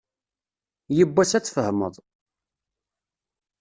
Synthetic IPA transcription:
jəbːæsæt͡sːfəhmə̰ðˤ

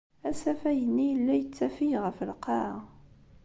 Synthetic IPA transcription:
æsæfæjənːijlːæjət͡sːæfijʁəfəlqɑ

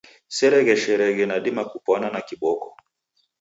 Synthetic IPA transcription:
sɛɾɛɣɛʃɛɾɛɣɛnaɗimakupɔnanakiɓɔkɔ

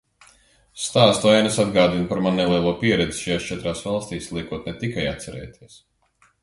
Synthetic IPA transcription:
st̪aːst̪uajnasad̪ɡaːd̪inpaɾmannɛlˠiɛlˠuɔpiɛɾɛd̪zi̥ʃajaːst͡ʃɛt̪ɾaːsvalˠst̪iːslˠiɛkuɔt̪nɛt̪ikajat̪sɛɾɛ̰ːjt̪ʰiɛs

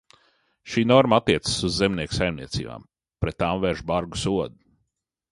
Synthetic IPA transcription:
ʃiːnɔɾmaat̪ːiɛt̪sə̥suzːemniɛksajmnḭɛt̪sḭːba̰ːm | pɾɛt̪ːaːmvɛɾʒbaɾɡu̥suɔd̪u̥

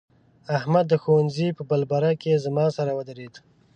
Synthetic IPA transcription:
ahmad̪ːəxowanzipəbalbaɾakezamɑsaɾawəd̪əɾed̪

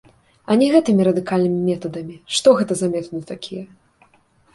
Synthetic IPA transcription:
ɐnʲɛɣɛt̪ɨmʲiɾɐd̪ɨkalʲnɨmʲimʲɛt̪ɐd̪ɐmʲiʂt̪ɔɣɛt̪ɐzamʲɛt̪nɨt̪akʲʰijɛ

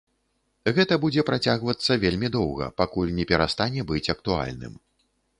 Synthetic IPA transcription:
ɣɛt̪ɐbud͡zʲɛpɾat͡sʲaɣvɐt̪sːɐvʲelʲmʲid̪ɔwɣɐ̰pakulʲnʲɛpʲɛɾast̪anʲɛbɨt͡sʲɐk̚t̪ua̰lʲnɨ̰m

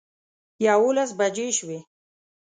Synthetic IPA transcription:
jawolasbad͡ʒeʃwe

